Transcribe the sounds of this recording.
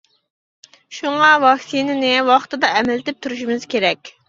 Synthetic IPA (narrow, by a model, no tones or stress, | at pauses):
ʃuŋɑvɑksinɪnɪwɑχt̪ɨd̪ɑʔɛmɛlɪt̪ɪp̚t̪ʰuɾuʃumɪz̥kʲʰeɾɛkʲ